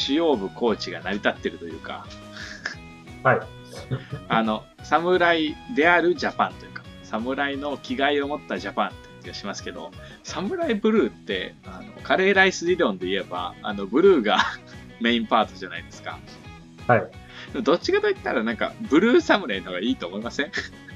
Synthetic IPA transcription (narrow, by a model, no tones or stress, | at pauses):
ɕijo̞ːbɯ̟ko̞ːt͡ɕiɡanaɾʲit̪at̪ːe̞ɾɯ̟t̪o̞jɯ̟ːka̰ | hai | ano̞ | samɯ̟ɾaid̪e̞aɾɯ̟ʑapãnt̪o̞jɯ̟ːkḁsamɯ̟ɾaino̞kʲiɡaio̞mo̞t̪ːaʑapãnt̪ːe̥kʲiaɕimasɨ̥ke̞d̪o̞̰ | samɯ̟ɾaibɯ̟ɾɯ̟ːt̪ːe̞̰ano̞̰kaɾe̞ːɾaisɨiɾõ̞nd̪e̞ie̞ba̰ːnobɯ̟ɾɯ̟ːɡa | me̞ĩmpaːt̪o̞ʑanaid̪e̞sɨ̥ka̰ | hai | d̪emod̪o̞t͡ɕːikad̪o̞it̪ːaɾanãŋka̰bɯ̟ɾɯ̟ːsamɯ̟ɾainohoɡaiːt̪o̞ːmo̞imasẽ̞